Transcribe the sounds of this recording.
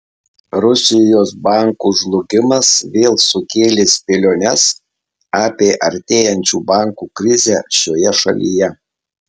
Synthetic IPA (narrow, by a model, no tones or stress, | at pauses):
ɾʊsʲɪjoːsbɑˑŋkuːʒlˠʊɡʲɪmɐsʋʲeːlˠsʊkʲeːlʲɪspʲelʲoːnʲɛs | ɑːpʲeːʔɐɾʲt̪ʲeːjɛnʲt͡ʃʲuːbɑˑŋˑkukɾʲɪzʲæːʃʲoːjɛʃɐ̰lʲḭjɛ